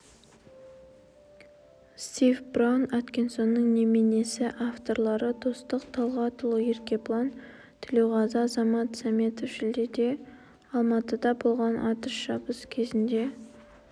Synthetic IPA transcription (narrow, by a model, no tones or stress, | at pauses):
st̪ivbronat̪kʲenso̞nːəŋnemene̞sɪʔaft̪o̞ɾlˠɑɾət̪ʰost̪əqt̪ʰɑlˠʁɑt̪ʰʊlˠəje̞ɾkʲe̞plˠon | t̪ʰɪle̞wʁɑzɑzɑmɑt̪sɑme̞t̪ofʃɪld̪ed̪e̞ | ɑlˠmɑt̪əd̪ɑbo̞lˠʁɑnʔɑt̪əʃʒɑbəskʲʰe̞zɪnd̪e̞